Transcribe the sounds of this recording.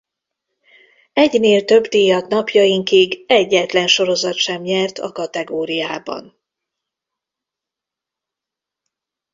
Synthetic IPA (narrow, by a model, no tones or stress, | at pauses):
ɛɟneːlt̪ø̞bd̪iːjɒt̪nɒpjɒjiŋkiɡɛɟːɛt̪lɛnʃo̞ɾo̞zɒt̪ʃɛmɲɛrt̪ʰɒ̰kɒt̪ɛɡoːɾijaːbɒ̰n